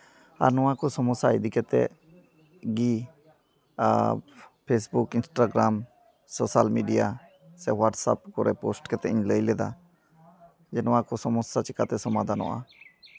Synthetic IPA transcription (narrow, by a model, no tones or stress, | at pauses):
a̰ɾnɔwãkosɔmɔsaid̪ikʰɛt̪ɛ̰ | ɡi | pʰeːsbukɪnsʈaɡɾaːm | soːsalmiːɖija̰ | sɛʋaʈsa̰p̚kɔɾɛpoːsʈkɛt̪ɛɪ̃ɲləilɛd̪a̰ | d͡ʒɛnɔwãkosɔmɔsːat͡ʃɪkat̪ɛsɔmad̪ʱanɔ̰ʔa̰